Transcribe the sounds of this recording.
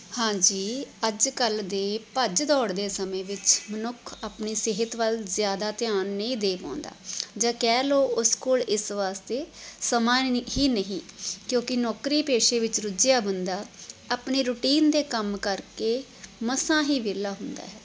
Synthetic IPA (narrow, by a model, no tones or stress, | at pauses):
hãːd͡ʒiːəd͡ʒkəld̪eːpəd͡ʒd̪ɔːɽd̪eːsəmẽːʋɪt͡ʃmənʊkʰaːpniːseɦɪt̪ʋəlzjaːd̪aːt̪ɪjaːnːəĩːd̪eːpã̰ːnd̪a̰ːd͡ʒãːkɛːloːʊskoːlɪsʋaːst̪eːsəmãːɦiːnəɦĩːkjõːkɪnɔːkɾiːpeːʃeːʋɪt͡ʃɾʊd͡ʒjaːbənd̪aːaːpniːɾʊʈiːnd̪eːkəmkəɾkeː | məsãːɦiːʋeːlaːɦʊnd̪a̰ːɦɛː